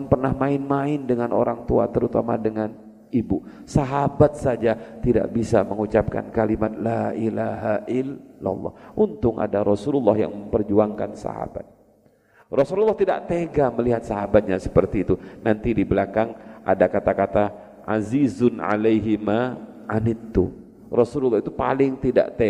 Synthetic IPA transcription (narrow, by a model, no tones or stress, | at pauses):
npərnahmaɪnmaɪndəŋanʔoɾaŋt̪ua̰t̪əɾut̪ama̰dəŋan | ibu | saɦabat̪̚sad͡ʒat̪ida̰ʔbisaməŋut͡ʃap̚ka̰nkalimat̪̚laʔilaɦaʔɪlːa̰lˠːɔ̰hʔunt̪ʊŋa̰daɾɔsululːahja̰ŋməmpərd͡ʒuaŋka̰nsa̰ha̰ba̰t̪̚ | rɔsululˠːɑht̪ida̰ʔt̪eɡaməliɦat̪̚saɦabat̪̚ɲasə̥pərt̪iːt̪unant̪idibəlakaŋʔa̰dakat̪akat̪a | ʔazizʊnʕa̰lejɦima | ʔanɪt̪ːṵ | rɔsululːɑhit̪upalɪŋt̪ida̰ʔt̪e